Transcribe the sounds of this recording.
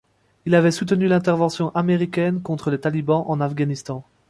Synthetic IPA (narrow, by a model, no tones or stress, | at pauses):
ilavɛsut̪ənylɛ̃t̪ɛʁvɑ̃sjɔ̃ʔameʁikʲɛnkɔ̃t̪χəlet̪alibɑ̃ʔɑ̃nafɡanist̪ɑ̃